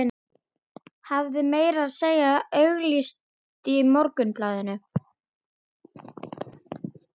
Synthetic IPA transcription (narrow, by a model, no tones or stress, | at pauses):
havðɪmeːjɾaðseːjaœɥɣlist̪ | t̪imɔɾkʏnplaːðɪnːʏ